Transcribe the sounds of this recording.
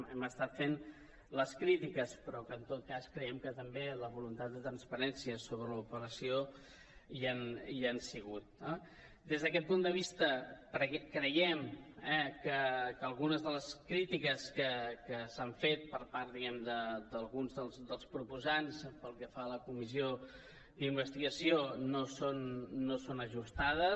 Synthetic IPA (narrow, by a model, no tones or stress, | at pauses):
ɛməst̪at̪fen | ləskɾit̪ikəspɾɔkəːnt̪ot̪̚kaskɾəjɛmkət̪əmbeləβulunt̪at̪̚d̪ət̪ɾənspəɾɛnsiəsoβɾələupəɾəsio | ianiansiɣ̞ut̪̚ | d̪ezðəkɛt̪̚pund̪əβ̞ist̪əkɾəkɾəjɛmɛkəkəːlˠɣunəzðələskɾit̪ikəskəkəsaɱfet̪̚pəɾpaɾt̪̚d̪iɣɛmd̪əd̪əlˠɣunzðəlˠzd̪əlˠspɾupuzanspəlˠkɛfaləkumizio | d̪imbəst̪iɣəsionosonːosonəʒust̪aðə